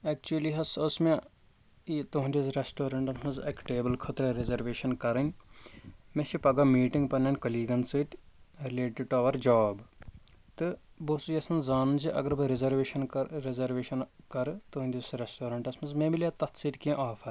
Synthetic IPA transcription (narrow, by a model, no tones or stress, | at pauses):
eːk̚t͡ʃuɐliɦɐsʊsmẽ | it̪oɦũnʲd̪ʲisɾesʈoːɾɐɳʈɐsmɐzɐkʈeːbɐlkʰɐt̪ɾɐɾezɐɾʋeːʃɐnkɐɾɐnʲ | mẽt͡ʃʰipɐɡamiːʈĩŋɡpɐnʲɐːnʲkɐliːɡɐnsɨʈ | ɾileːʈiɖ̚ʈuɐʋɐɾd͡ʒaːb | t̪ɨ | bosujɐsɐnzaːnɐnd͡ʒiʔɐ̰ɡɐɾbɨɾizɐɾʋeːʃɐnɐɾezɐɾʋeːʃɐnkɐɾt̪oɦũnʲd̪ʲisɾesʈoːɾɐɳʈɐsmɐzmẽmilʲaːt̪ɐt̪siːʈkĩʔaːfʰɐɾ